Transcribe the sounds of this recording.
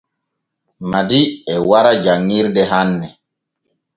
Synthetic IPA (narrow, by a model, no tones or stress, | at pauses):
madiɛwaɾad͡ʒaŋːiɾdɛɦanːɛ